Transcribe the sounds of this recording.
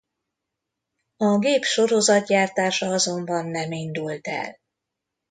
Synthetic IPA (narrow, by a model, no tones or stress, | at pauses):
ɒɡeːpʃo̞ɾo̞zɒt̪̚ɟaːrt̪aːʃɒɒzo̞mbɒnːɛmind̪ult̪ɛ̰l